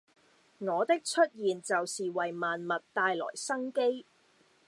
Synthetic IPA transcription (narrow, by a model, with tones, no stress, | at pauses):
ŋɔː˨˧t̪ɪ˥k̚t͡ʃʰɵ˥t̚jiː˨˩nt͡sɐ˨wsiː˨wɐ˨˩jmaː˨nmɐ˨t̚t̪aː˧jlɔ̰ː˨˩jsɐ˥ŋke˥j